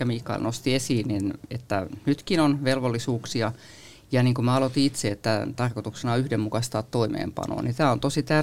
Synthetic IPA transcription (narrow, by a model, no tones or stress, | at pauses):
æmiːkːˑɑ̰ḭlnost̪iesiːnninḛt̪ːænyt̪kinonʋelʋolːisuːksiɑ | jɑniːŋkumæɑlot̪iit̪seet̪ːæt̪ɑrkot̪uksenɑyhdemmukɑst̪ɑːt̪toimḛːmpɑ̰no̰ːnit̪æːont̪osit̪ær